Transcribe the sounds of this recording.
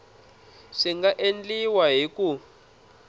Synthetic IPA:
ʂiŋɡaʔend͡ɮiwaɦiku

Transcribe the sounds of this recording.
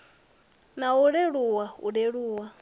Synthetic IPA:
nauɺɛɺuwaṵɺeɺuːwa

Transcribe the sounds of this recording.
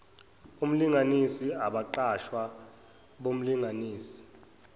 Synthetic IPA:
um̩liŋanisiaɓaǃaʃwa | ɓom̩liŋaniːsi̥

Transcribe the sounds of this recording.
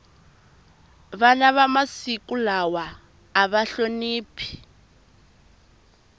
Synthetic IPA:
βanaβamasikulawaː | βaɬoniːpʰi̥

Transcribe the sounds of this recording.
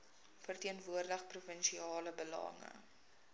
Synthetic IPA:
fərtiənvuərdəχprufənʃiɑːləbəlɐ̰ŋə̰

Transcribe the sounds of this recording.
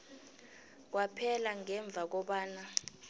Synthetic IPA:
k̬wapʰɛlaŋɛɱb̪vʱak̬ɔɓaːna

